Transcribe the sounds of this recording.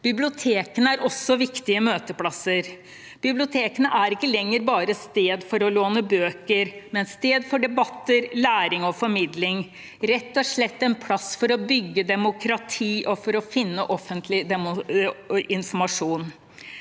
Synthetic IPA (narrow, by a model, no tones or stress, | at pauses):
b̥ɪblɪʊt̪ʰeːkənəæɾʔɔsːɔʋɪkt̪ɪəmøːt̪əpʰlɑsːəɾ | b̥ɪblɪʊt̪ʰeːkənəʔæɾɪkːəlɛŋːəɾbɑːɾəst̪eːd̪fɔɾɔloːnəbøːkəɾmɛnst̪eːd̪fɔɖɛbɑt̪ːəɾlæːɾɪŋɔfɔɾmɪd̪lɪŋ | ɾɛt̪ːɔʂɭɛt̪ːɛnpʰlɑsfɔɾɔbʏɡːəd̪ɛmʊkɾɑt̪ʰiːʔɔfɔɾɔfɪnːəʔɔfənt̪ʰlɪd̪ɛmʊ | ɪnfɔɾmɑʂuːn